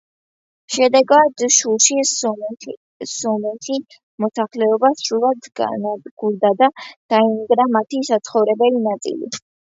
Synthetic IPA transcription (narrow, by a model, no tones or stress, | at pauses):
ʃɛd̪ɛɡad̪ʃulʃi | sɔmɛti | mɔsaχlɛɔbasɾulˠad̪ɡanad̪ɡ̥uɾd̪ad̪ad̥aimiɡɾamat̪ʰisat̪sʰχɔvɾɛbɛlinat̪ʼḭlḭ